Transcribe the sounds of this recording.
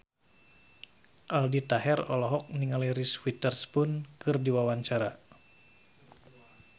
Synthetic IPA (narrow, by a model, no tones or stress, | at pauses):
ʔaldit̪aɦɛrɔlɔɦɔk̚niŋaliɾiswit̪ərspʊnkɨrdiwawaɲt͡ʃaɾa